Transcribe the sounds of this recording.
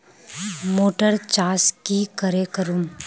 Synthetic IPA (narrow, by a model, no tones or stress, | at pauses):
moːʈəɾt͡ʃaːskikəɾekəɾum